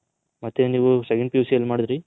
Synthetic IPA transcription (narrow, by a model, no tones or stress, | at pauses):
mɐt̪ːeniːʋusekeɳpiusiɐlːmaːɽid̪ɾi